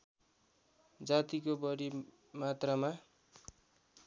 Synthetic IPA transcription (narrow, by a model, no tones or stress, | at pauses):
d͡zat̪ikobʌɾi | mat̪rama